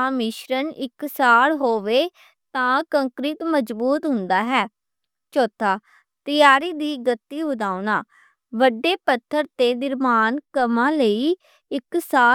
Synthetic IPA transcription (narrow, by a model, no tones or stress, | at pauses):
amɪʃɾənɪksaːɽɦoːʋeː | t̪ãːkəŋkɾɪt̪məd͡ʒbuːt̪ɦʊnd̪aːɦɛː | t͡ʃoːt̪ʰaː | t̪ɪjaːɾiːd̪iːɡət̪ːiːbʊd̪aːʊnaː | ʋəɖeːpət̪ʰːəɾt̪eːnɪɾmaːnkəmãːləiː | ɪksaː